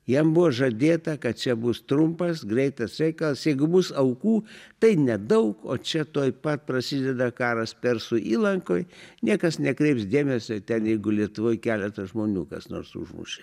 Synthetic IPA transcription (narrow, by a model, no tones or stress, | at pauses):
jɛmbʊʋoːʒɐd̪ʲeːt̪ɐkɐt̪̚t͡ʃʲɛbʊst̪ɾʊmpɐsɡɾʲɛɪt̪ɐsɾʲɛɪkɐlˠsjɛɪɡʊbʊsɐʊkuːt̪ɐɪnʲɛd̪ɐʊko̰ːt͡ʃʲɛt̪oːjpɐt̪̚pɾɐsʲid̪ʲɛd̪ɐkɑːɾɐspʲɛrsʊʔiːlˠɐŋkoːjnʲiɛkɐsnʲɛkɾʲɛɪpsd̪ʲeːmʲɛsʲot̪ʲɛnjɛɪɡʊlʲiɛt̪ʊʋoːjkʲæːlʲɛt̪ɐʒmoːnʲṵːkɐ̰sno̰ːɾsʊ̰ʒmʊ̰ʃʲɛ